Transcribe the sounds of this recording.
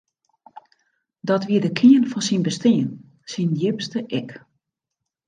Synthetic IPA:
dɔtʋiədəkʰiənfɔnsinbəstɪən | sinjɪpstəʔɛk

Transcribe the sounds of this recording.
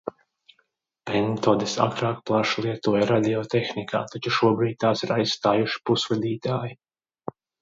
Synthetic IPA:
pɛnt̪oːd̪isa̰kɾaːk̚plˠaʃlˠiɛt̪uɔjɾad̪ʲiɔt̪exnikʰa̰ːt̪at͡ʃuʃuɔbɾiːd̪̚ʲt̪aːsiɾajsst̪aːjuʃi̥pusvad̪iːt̪aːji

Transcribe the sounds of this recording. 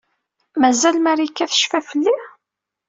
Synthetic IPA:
mæzælmæɾikːæθə̥ʃfæfəlːi

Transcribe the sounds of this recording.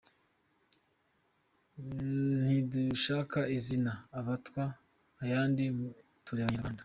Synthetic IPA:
n̥iduʃaːkaizinaːβatwaː | jaːndimu | tuɾeβaɲaɾɡaːnda

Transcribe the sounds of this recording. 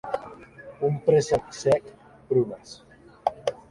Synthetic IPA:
umpɾezasɛk | pɾumas

